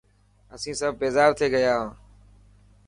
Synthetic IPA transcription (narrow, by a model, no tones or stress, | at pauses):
əsĩːsəb̚ːeːzaːbt̪ʰeːɡəjaːɦãː